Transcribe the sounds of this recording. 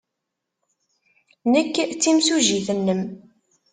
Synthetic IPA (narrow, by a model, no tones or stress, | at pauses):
nəkːt͡sːimsuʒiθənːəm